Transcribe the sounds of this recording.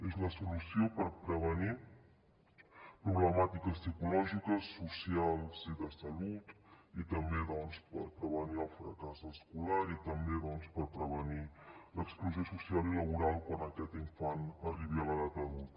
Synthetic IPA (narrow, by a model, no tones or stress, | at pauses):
ezləsulusiopəɾpɾəβ̞əni | pɾuβləmat̪ikəstikulɔʒikəsːusialˠziðəsəlut̪it̪əmbeðɔnspəɾpɾəβəniəlˠfɾəkazəskulaɾit̪əmbeðɔnspəɾpɾəβ̞əniləkskluziosusialiləβ̞uɾalˠkwanəkɛt̪iɱfanəriβiələɣat̪əðut̪